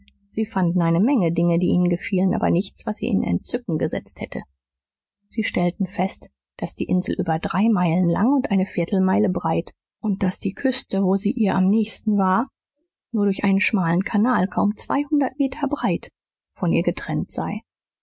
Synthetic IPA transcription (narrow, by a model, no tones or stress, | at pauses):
z̥iːfandn̩aɪnəmɛŋədɪŋədiːʔiːnənɡəfiːlənʔa̰ːbɐ̰nɪçt͡sv̥asz̥ḭːʔɪ̰nɛ̰nt̚t͡sʏkŋ̩ɡəzɛ̰t͡sthɛtʰə̰ | z̥iːʃtɛltn̩fɛst | d̥asd̥iːʔɪnzl̩ʔyːbɐdʁaɪmaɪlənla̰ŋʊntʔaɪnəfɪːɐtʰl̩maɪləbʁaɪt | ʔʊnt̚d̥asd̥iːkʰʏstəvoːziːʔiːɐʔamnɛːçstn̩vaːɐ | nuːɐɾʊɐçʔaɪnənʃmaːlənkʰanaːlkʰaʊmt͡sv̥a̰ɪhʊndɐtmeːtʰɐbʁaɪt | fɔnʔiːɐɡətʁ̥ɛntz̥a̰ɪ